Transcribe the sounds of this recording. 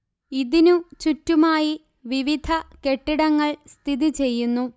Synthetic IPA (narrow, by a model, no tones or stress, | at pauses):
iðinut͡ɕutːumaːji | ʋiʋid̪ʱɐke̞ʈːiɽɐŋːɐɭst̪ʰiðit͡ɕe̞jːunːu